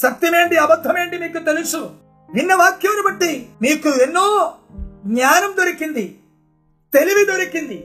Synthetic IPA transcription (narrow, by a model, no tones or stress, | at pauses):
ʃɐk̚t̪jime̞ːɳɖiɐbɐd̪ʱːɐme̞ːɳɖimiːkːut̪elisu | ninːɐʋaːkjɐʋɐnɐbɐʈːimiːkːuenːoː | ɡɲaːnɐmd̪oɾikːind̪i | t̪eliʋid̪oɾikːind̪i